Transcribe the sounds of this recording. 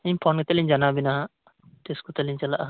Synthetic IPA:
impʰoːnkit̪eliɲd͡ʒɐnaːbina | t̪eːsu̥kut̪elːiɲt͡ʃɐlaʔ

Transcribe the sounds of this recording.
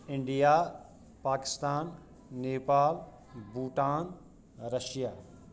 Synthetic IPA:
ɪɳɖijaː | paːkɪ̥st̪aːnː | eːpaːl | buːʈaːn | ɾɐʃijaː

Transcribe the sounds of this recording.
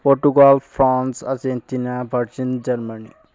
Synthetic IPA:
poɾʈuɡaːlfɾãːnsa̰d͡ʒẽnt̪inabʱɐɾd͡ʒind͡ʒɐɾmənḭ

